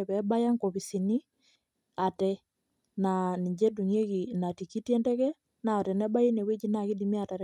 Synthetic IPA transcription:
βɛ˦ba˦ja˦ŋko˨βi˨si˨ni˦ | a˨tɛ | na˨ni˨ɲd͡ʒɛ˦du˨ɲe˦ɣina˨ti˨ki˦ti˦ɛ˦ndɛ˦ɣɛ˦ | na˨o˨tɛ˨nɛ˦ba˦i˦ne˨we˦d͡ʒi˦naɣi˦dimi˦a˨ta˨ɾ

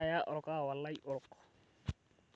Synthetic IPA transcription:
ja˦ʔɔʊ˨ɾʊka˦˨wa˨lːa˦i˦ʔʊ˨ɾʊkɔ̥

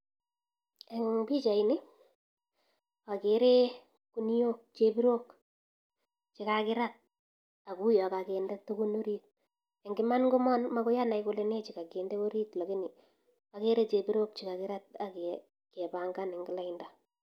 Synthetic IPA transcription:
e˨ŋbi˦t͡ʃa˨i˨nɪ˦ | wa˨ke˨ɾe˦ | ku˦n˦jo˦k̚t͡ʃe˦pi˦ɾo˦k | t͡ʃɪ˦ka˨kɪ˦ɾa˦t̚ | a˨ku˦jɔ˨ka˨ke˨ndɛ˦to˦ku˦no˦ɾi˦t̚ | e˨ŋɡɪ˦ma˦nŋɡʊ˦mɔ˦nma˦kʊ˦ja˦na˨ikʊ˦le˦ne˦t͡ʃɪ˨ka˨ke˨ndɛ˦ko˦ɾi˦tlo˨kɪ˦nɪ˨ | a˨ke˦ɾe˦t͡ʃe˨biɾo˦k̚t͡ʃɪka˨kɪ˦ɾa˦t̚a˨ke˨ | kɛ˨ba˨ŋɡa˦nɪ˨ŋɡɪ˦la˦ɪ˦nda˨

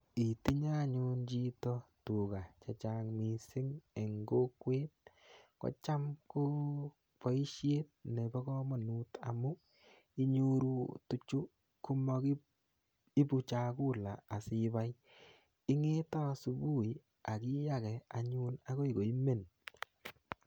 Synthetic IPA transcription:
i˨ti˦ɲa˦ɲu˦nt͡ʃi˦tɔ˦tu˨ka˨t͡ʃa˨t͡ʃa˨ŋmi˨sɪ˦ŋe˨ŋɡo˦kwe˦t̚ | kɔ̰˦t͡ʃa˦mko˦ | pɔ˨˦i˦ʃje˦t̚ne˨bɔ˦kɔ˦mɔ˨nu˦ta̰˨mʊ˦ | i˦ɲu˦ɾu˨tu˦t͡ʃu˦ | ku˦mɔ˦ki˦ | i˦bu˨t͡ʃa˨ku˦laː˨si˦ba˦j | i˦ŋe˦tɔ˦su˨bu˦˨i˨ | a˨ki˦ja˦kɛ˨a˨ɲu˦na˦ko˦i˨ko˨i˦me˦˨n

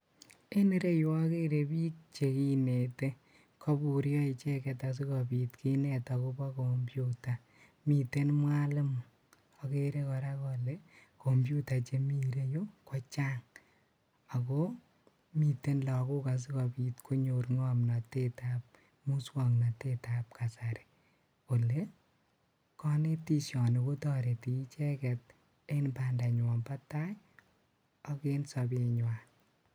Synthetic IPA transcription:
e˦ne˦ɾe˦jo˦a˦ke˦ɾe˨biː˦k̚t͡ʃe˨ki˦ne˨te˦ | kʰɔ˦bu˨ɾjɔ˦i˧t͡ʃɛ˦kɛ˨ta˨s̬i˦kɔ˨bi˨tkʰi˦nɛ˨ta˨ko˦bɔ˦ko˨mbju˦ta˨ | mi˨te˦nmwa˦lɨ˦m | a˨ke˦ɾe˦kɔ˨ɾa˦kɔ˨le˦ko˨mbju˦ta˨t͡ʃe˦mi˦ɾe˦jo˦kɔ˦t͡ʃaː˦ŋ | a˨ko˦ | mi˨te˦nlɔ˨kʊ˦ka˨s̬i˦kɔ˧bi˦tkʰo˦ɲo˨ɾŋɔ˦mna˨te˦tap̚ | mu˦swɔ˨ŋna˨teta˦p̚kʰa˨sa˨ɾe̥˨ | o˨le˦ | kɔ˦ne˦ti˦˨sjɔ˨no˨ko˦tɔ˦ɾe˨ti˨˦t͡ʃɛ˦kɛt̚ | e˦nba˨nda˨ɲwɔ˨mba˦ta˦j | ɔ˦ke˦nsɔ˧bɪ˨ɲwa˨

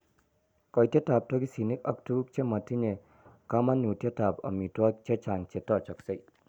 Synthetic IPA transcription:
kɔ˨jte˦ta˨p̚tɔ˦ɡi˦si˨ni˦k̚a˦k̚tuk̚t͡ʃe˦mɐ˨tʰi˦ne˨ | ka˦ma˦nːu˨te˦ta˨pɐ̰˨mi˨twa˦t͡ʃe˦t͡ʃa˨ŋt͡ʃe˨tɔ˦˨t͡ʃa˨k̚sa˦j

